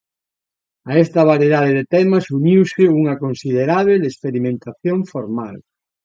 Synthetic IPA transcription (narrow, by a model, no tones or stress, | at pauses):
aɛst̪ɐβaɾjeðað̞eðet̪ɛmɐsuɲiwsɪuŋɐkonsið̞eɾaβelespeɾimẽnt̪aθjoɱfoɾmal